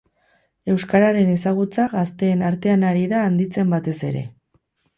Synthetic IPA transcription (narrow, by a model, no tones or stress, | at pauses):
e̞wskaɾaɾe̞ne̞saɣ̞ut͡saɣast̪e̞ːnaɾt̪e̞anaɾiðaːnd̪it͡se̞mbat̪e̞se̞̰ɾe̞̰